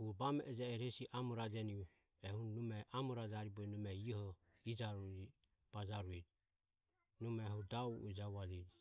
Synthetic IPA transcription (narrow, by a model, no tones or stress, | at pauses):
hubamɛʔɛd͡ʒaɛɾɛsiʔamɔɾad͡ʒɛni | ɛhunnumɛʔamɔɾad͡ʒaɾibɔnumɛiɔhɔ | id͡ʒaɾud͡ʒi | b̥ad͡ʒaɾuɛd͡ʒ | numɛhudauɛd͡ʒaβalɛd͡ʒi